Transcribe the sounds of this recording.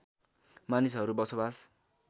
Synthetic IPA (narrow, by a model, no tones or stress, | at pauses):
manisɦʌɾubʌsobas